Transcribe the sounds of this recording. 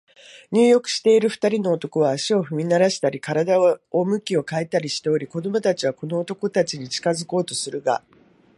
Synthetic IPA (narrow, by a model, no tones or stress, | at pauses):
ɲ̟ɨːjo̞kɯ̟̥ɕi̥t̪e̞iɾɯ̟ɸɯ̥t̪aɾʲino̞ːt̪o̞ko̞βaːɕio̞ɸɯ̟mʲinaɾaɕi̥t̪aɾʲikaɾad̪aomɯ̟kʲio̞kaet̪aɾʲiɕi̥t̪e̞oɾʲiko̞d̪o̞mo̞t̪at͡ɕiβako̞no̞ːt̪o̞ko̞t̪at͡ɕiɲ̟it͡ɕi̥kazɨko̞ːt̪o̞sɨɾɯ̟ɡa̰